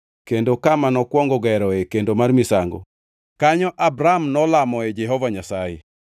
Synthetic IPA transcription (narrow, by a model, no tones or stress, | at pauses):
kendokamanɔkwɔŋɡɔɡɛɾɔɛkendomarmisaŋɡo̰ | kaɲɔʔabɾamnɔlamɔɛd͡ʒɛɦɔvaɲasajḛ